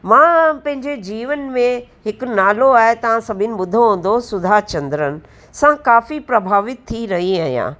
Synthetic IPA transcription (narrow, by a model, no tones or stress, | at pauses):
mãːpɐ̃ɦɪ̃ɲd͡ʑed͡ʑiːʋənmẽɦɪkʊnaːloaːɦet̪ɐʋ̤ãsɐbʱɪnɪ̆ɓʊd̪ʱõɦõːnd̪osʊd̪ʱat͡ɕɐ̃nd̪ɾənɪ̆ | sãkaːfipɾɐbʱaːʋɪt̪t̪ʰːiɾɐɦiaːɦijã̰ː